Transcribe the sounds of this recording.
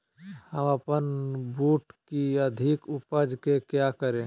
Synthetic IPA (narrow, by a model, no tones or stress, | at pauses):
həməpənbuːʈkiɐd̪ʱikʊpəd͡ʒkekjakəɾẽː